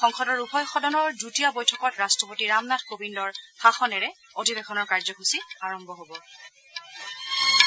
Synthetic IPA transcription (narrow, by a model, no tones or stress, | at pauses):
xɔŋxɔdɔɹupʰɔjxɔdɔnɔɹdutiabɔjtʰɔkɔtɹastɔpotiɹamnatʰkobindɔɹhaxɔnɛɹɛ | odʱibexʰɔnɔɹkaɹzɔxusiaɹɔmbʱɔɦobɔ